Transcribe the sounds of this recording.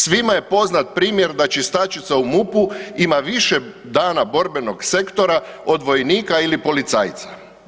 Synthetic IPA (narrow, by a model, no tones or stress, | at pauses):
sʋimaje̞po̞znat̪̚pɾiːmjeɾd̪at͡ɕist̪at͡ʃit̪saumupuimaʋiʃe | d̪aːnabo̞ɾbe̞no̞ɡse̞kt̪o̞ɾa | o̞d̪ʋo̞jniːkailipo̞lit̪sa̰ːjt̪sa̰